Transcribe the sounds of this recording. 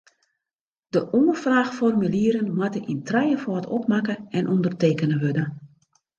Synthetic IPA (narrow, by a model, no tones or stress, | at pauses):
d̥əʔɔːfraːxfɔrmyliəɾənmatəʔintrɛjəfɔːtɔp̚makəɛnʔɔndərteːkənəʋødə